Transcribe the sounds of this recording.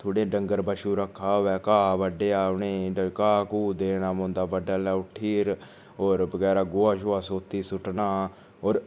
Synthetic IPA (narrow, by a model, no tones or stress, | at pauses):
t̪ʰoːɽẽːɖəŋɡəɾbəʃuːɾəkʰːaːʋɛːkaːbəɖeːaːʊneːəkaːkuːd̪eːnãːmõːnd̪aːbəɖaːlɛːʊʈʰiːɾ | oːɾbəɡɛːɾaːɡoːaːʃoaːsoːt̪iːsʊʈnaː | oːɾ